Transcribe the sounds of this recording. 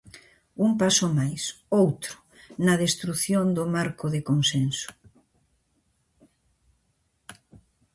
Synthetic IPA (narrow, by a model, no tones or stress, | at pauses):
umpasʊmajsowt̪ɾʊ̥ | nɐðest̪ɾuθjond̪ʊmaɾkʊðekonsensʊ̥